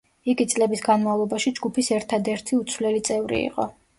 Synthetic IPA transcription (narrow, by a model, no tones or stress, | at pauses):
iɡit̪sʼlɛbisɡanmavlˠɔbaʃid͡ʒɡupʰisɛɾt̪ʰad̪ɛɾt̪ʰiut̪sʰwlɛlit̪sʼɛvɾḭḭqʼɔ̰